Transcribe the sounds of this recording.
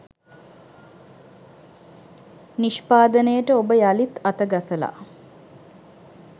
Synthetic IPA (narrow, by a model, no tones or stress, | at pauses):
niʃpaːd̪ənəjəʈəobəjalit̪at̪əɡasəla̰